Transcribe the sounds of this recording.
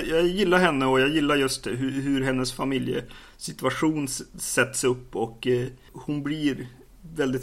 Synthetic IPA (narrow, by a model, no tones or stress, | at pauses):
jɑːjɪlːaɾɦɛnːəɔjɑɡjɪlːaɾjɵst̪ɦɵɦɵɾɦɛnːəsfamɪljə̰ | sɪt̪ɵaɧuːnsɛt̪ːsɵpːɔk | hʊnblɪɾ | vɛld̪ɪt̪